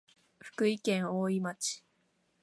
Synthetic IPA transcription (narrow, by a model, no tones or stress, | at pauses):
ɸɯ̥kɯ̟ikẽŋoːimat͡ɕi̥